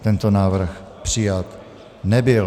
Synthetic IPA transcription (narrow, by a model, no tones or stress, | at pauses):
t̪ɛnt̪onaːvr̩x | pr̝̥ɪjat̪ | nɛbɪl